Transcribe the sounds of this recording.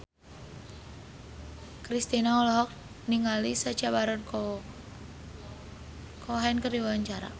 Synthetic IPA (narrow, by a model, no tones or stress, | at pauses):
kɾist̪inaulɔɦɔk̚ | niŋalisə̥t͡ʃabaɾɔn | kʰɔɦankəriwaɲt͡ʃaɾa̰